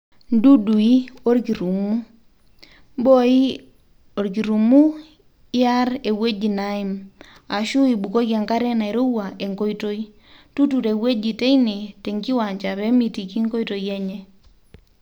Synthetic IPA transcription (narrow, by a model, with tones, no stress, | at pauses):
ndu˦du˨i˦o˦ɾki˨ɾu˨mu˦ | mbo˦i˦ | o˨ɾk̬i˨ɾu˨mu˦ | ɪ˦a˦ɾe˨we˦d͡ʒi˨na˦i˨m | a˨ʃu˦i˨bu˨ko˦ka˨ŋka˦ɾɛ˦na˨i˨ɾo˦wa˨ʔe˨ŋko˦jto˦i˦ | tu˦tu˨ɾe˨we˦d͡ʒi˨tɛ˦ini˨tɛ˨ŋɡi˦wa˨ɲt͡ʃa˨βɛ˦mi˨ti˨ki˦ŋko˦jto˨jɛ˦ɲɛ˦